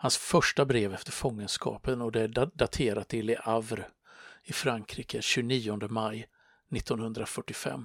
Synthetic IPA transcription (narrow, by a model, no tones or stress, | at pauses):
hansfœʂʈabɾeːvɛft̪əɾfɔŋːənskʰɑ̰ːpənɔd̪ɛæɖdat̪ʰeːɾat̪ʰːɪlɪʔavɾ | ɪfɾaŋkʰɾiːkəɕʉːniːɔnd̪əmaj | nɪt̪ːɔnhɵnd̪ɾafœʈːɪfɛ̰mː